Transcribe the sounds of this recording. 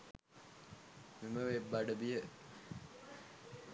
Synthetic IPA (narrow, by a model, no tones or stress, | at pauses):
miməʋebːaɖəbijə